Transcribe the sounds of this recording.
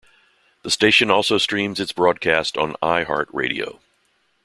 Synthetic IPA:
ðəsteɪʃɨ̃nɔlˠsoʊstɹ̥ĩmzɨtsb̥ɹɔd̚kʰæstn̩a̰ɪhɑ̰ɹt̚ɹḛɪɾḭo̰ʊ

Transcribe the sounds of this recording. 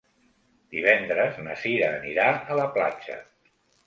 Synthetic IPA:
d̪iβ̞ɛnd̪ɾəznəsiɾəːniɾaələpla̰t͡ʃə̰

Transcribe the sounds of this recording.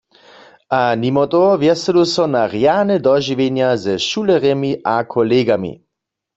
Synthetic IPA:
ʔanimɔt̪ɔʋjɛsɛdosɔnaʁjanɛd̪ɔʒiʋenjazɛʃulɛʁjɛmiʔakʰɔleːɡamḭ

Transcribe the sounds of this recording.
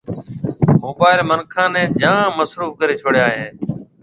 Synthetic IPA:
moːbaːɪlmənkʰãːnɛ̃ːd͡ʒʱãːməsɾuːfkəɾeːt͡ʃʰoːɽjaːɦẽː

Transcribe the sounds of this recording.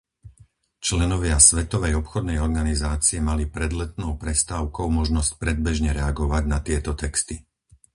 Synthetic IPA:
t͡ʃlɛnɔʋɪasʋɛt̪ɔʋɛjɔpxɔd̪nɛjɔɾɡanizaːt͡siɛmalipɾɛd̪lɛt̪̚nɔʊpɾɛst̪aːʊkɔʊmɔʒnɔsc̚pɾɛd̪̚bɛʒɲɛɾɛaɡɔʋaɟnat̪ɪɛt̪ɔt̪ɛkst̪i

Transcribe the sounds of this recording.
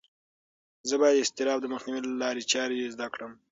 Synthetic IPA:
zəbɑjad̪ɪst̪ɪɾɑbd̪əməxniwilalɑɾet͡ʃɑɾejezd̪akɽəm

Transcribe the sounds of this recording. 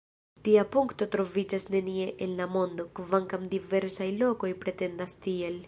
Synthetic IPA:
t̪iapuŋkt̪o̞t̪ɾo̞vid͡ʒasne̞nie̞ʔenlamo̞nd̪o̞kvaŋkamd̪ive̞ɾsajlo̞ko̞jpɾe̞t̪e̞nd̪ast̪iel

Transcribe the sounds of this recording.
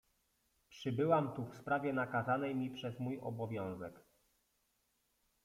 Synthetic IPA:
pʂɘbɘwamt̪ufspɾavʲjɛnakazanɛjmʲipʂɛzmujɔ̰bɔvʲjɔ̃w̃zɛk

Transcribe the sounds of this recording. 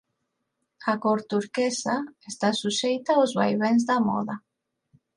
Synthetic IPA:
akoɾt̪uɾkesaest̪asuʃejt̪aozβa̰jβẽnzðamɔ̰ðɐ

